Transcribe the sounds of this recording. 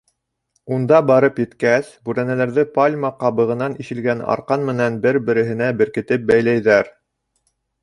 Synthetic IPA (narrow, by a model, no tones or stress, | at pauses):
und̪ɑbɑɾɤpjɘ̆t̪kæsbʉɾænælæɾðɘpalʲmɑqɑβɤ̆ʁɤ̆nɑniʃɘ̆lɡænɑ̰ɾqɑnmɘ̆nænbɘɾbɘ̆ɾɘ̆ɦɘ̆næbɘ̆ɾkɘ̆t̪ɘp̚bæjlæjðæɾ